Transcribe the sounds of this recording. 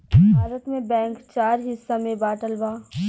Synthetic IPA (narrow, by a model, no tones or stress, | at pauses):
bʱaːɾət̪mẽbɛ̃ːŋkt͡ʃaːɾɦɪsːamẽbaːʈəlbaː